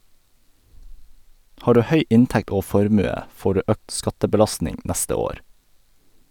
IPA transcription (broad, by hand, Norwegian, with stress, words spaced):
ˈhɑː ˈɖʉː ˈhœʏ ˈɪntɛkt ˈoː ˈfɔɾmʉə ˈfoː ˈɖʉː ˈøːkt ˈskɑtəbəˌlɑstnɪŋ ˈnæstə ˈoːɾ